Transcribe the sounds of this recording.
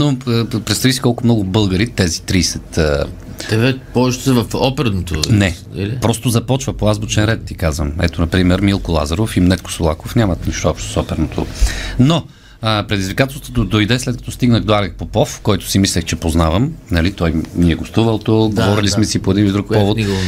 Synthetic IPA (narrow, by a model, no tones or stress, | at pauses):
nopɾɛt̪t̪ɐvisi̥kɔlˠkʊmnɔɡʊbɤlˠɡəɾit̪ɛzit̪ɾiːsɛt̪ə | d̪ɛvɛpɔɛʃt̪sɛvɐfɔpɛɾnot̪onɛ | pɾɔst̪ʊzɐpɔt͡ʃvɐpoazbot͡ʃɛnɾɛt̪ːikazvəmɛt̪onɐpɾimɛɾmilˠkʊlˠa̰zɐɾofimnɛt̪̚ko̥solˠakofnʲamɐt̪niʃt̪oɔpʃt̪o̥sɔpɛɾnot̪ʰo̰no | əpɾɛd̪izvikat̪ɛlˠst̪vot̪od̪ojd̪ɛslɛt̪kɐ̥t̪ɔst̪iɡnəxd̪oaɾɛk̚popɔfkɔjt̪ʊ̥simislʲɛxt͡ʃɛpoznavəmnɐlit̪ɔjniɛɡost̪uvɐlˠt̪oɡovɔɾilismɛsipoɛd̪inid̪ɾukpɔvot̪